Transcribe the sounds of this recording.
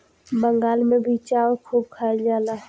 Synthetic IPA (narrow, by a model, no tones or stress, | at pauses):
bə̃ŋɡaːlmẽbit͡ʃaːkʰuːb̚kʰaːd͡ʒaːlaː